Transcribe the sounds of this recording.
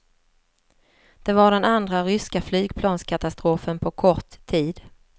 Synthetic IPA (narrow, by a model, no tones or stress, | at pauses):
d̪̥ɛvaɖɛnand̪ɾaɾʏskaflyːɡpʰlɑːnskʰat̪ast̪ɾoːfənpʰɔkʰɔɾt̪ʰːiːd̪